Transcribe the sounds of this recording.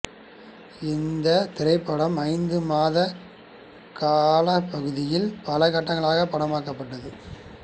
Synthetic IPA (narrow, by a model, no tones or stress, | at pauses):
ɪnd̪ɐt̪ɪɾɐɪpːɐɽɐmɐɪnd̪ɯmaːðɐ | kaːlɐpːɐɣɯðɪjɪlpɐlɐkɐʈːɐŋɡɐɭaːɣɐpːɐɽɐmaːkːɐpːɐʈːɐðɯ